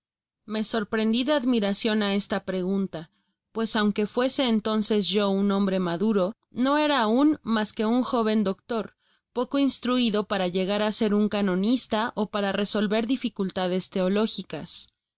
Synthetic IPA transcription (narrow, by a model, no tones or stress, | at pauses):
me̞so̞ɾpɾe̞nd̪iðe̞aðmiɾasjo̞nae̞st̪apɾe̞ɣunt̪a | pwe̞sawŋke̞fwe̞se̞ːnt̪o̞nse̞zʝo̞unõ̞mbɾemaðuɾo̞ | no̞e̞ɾaːunmaske̞uŋxo̞β̞e̞nd̪okt̪o̞ɾ | po̞ko̞inst̪ɾuiðo̞paɾaʝe̞ɣaɾase̞ɾuŋkano̞nist̪aʔo̞paɾareso̞lβe̞ɾðifikult̪að̞e̞st̪e̞olo̞xikas